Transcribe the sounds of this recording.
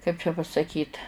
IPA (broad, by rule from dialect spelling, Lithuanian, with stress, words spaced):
kɐɪp t͡ʃʲɛ pɐsɐˈkʲiːt